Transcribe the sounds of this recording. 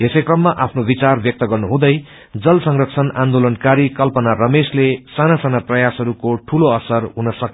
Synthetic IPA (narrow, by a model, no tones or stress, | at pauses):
esʌjkrʌmːaʔapʰnobit͡sarbjʌk̚t̪ʌɡʌrnuɦũd̪ʌj | d͡zʌlsʌŋrʌksʰʌnand̪olʌnkaɾikʌlpʌnarʌmeslesanasanaprʌjasɦʌɾukoʈʰuloʌsʌrɦunʌsʌk